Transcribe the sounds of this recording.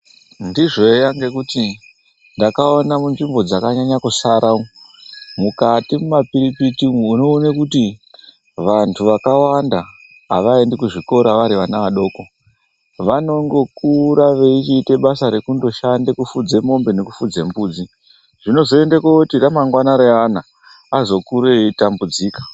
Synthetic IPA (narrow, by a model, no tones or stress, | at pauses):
ndiʐo̞ejaŋɡe̞kuti | ndakaonamunʐimbo̞d͡zakaɲaɲakusaɾʔaomukatimumapiɾipitimwuno̞ːnekuti | ʋantʰuʋakawanda | a̰ʋaendekuʐiko̞ɾaʋaɾiʋanaʋaɗo̞ːko̞ | ʋano̞ŋɡo̞kuɾaʋe̞it͡ʃiːte̞ɓasaɾe̞kundo̞ʃandekufud͡ze̞mo̞mbe̞ne̞kufud͡zembuːd͡zi | ʐino̞zo̞e̞ndekotiramaŋɡwanaɾeanaː | zo̞kuɾeitambud͡ziːkḁ